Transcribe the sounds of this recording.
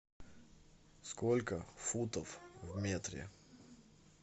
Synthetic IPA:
skolʲkəfut̪əfvmʲet̪ɾʲɪ̰

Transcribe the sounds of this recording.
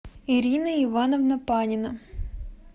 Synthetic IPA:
iɾʲinɐiʋɑnɔvnɐpɑnʲɪnɐ

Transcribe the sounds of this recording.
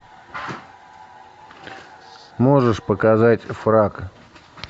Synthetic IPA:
moʐəʂpəkazatʲfrak

